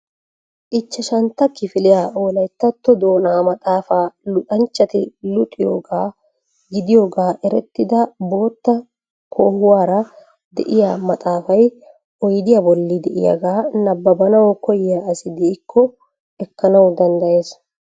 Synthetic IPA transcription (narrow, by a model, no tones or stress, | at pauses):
ʔɪt͡ʃːɐʃɐnt̪ːɐkɪfɪlɪjaːʔo̞ːlɐjt̪ːɐt̪ːɔd̪oːnaːmɐt̪ʼaːfaːlʊt̪ʼɐnt͡ʃːɐt̪ɪlʊt̪ʼːɪjo̰ːɡaː | ɡɪd̪ɪjo̞ːɡaːʔɛɾɛt̪ːɪd̪ɐbo̞ːt̪ːɐ | kʰoːhʊwaːɾɐ | d̪ɛʔɪjaːmɐt̪ʼaːfɐj | ʔɔjd̪ɪjɐbɔlːɪd̪ɛʔɪ̰jɐ̰ɡaːnɐbːɐbɐnɐwɔkɔjɪjaɐsɪd̪ɪːkːɔ | ɛkːɐnɐwd̪ɐnd̪ɐʔe̞ːs